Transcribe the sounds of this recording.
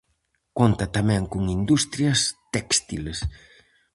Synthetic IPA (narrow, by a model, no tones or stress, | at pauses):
kont̪ɐt̪amɛ̃ŋkuŋind̪ust̪ɾjɐst̪ɛkst̪iles